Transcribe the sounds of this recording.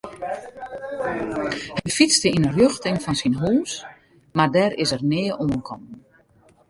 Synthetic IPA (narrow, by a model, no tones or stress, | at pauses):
həjfistəinərjøxtɪŋfɔnsinɦuːs | mardɛɾɪsərnɪːəʔoənkʰɔmn̩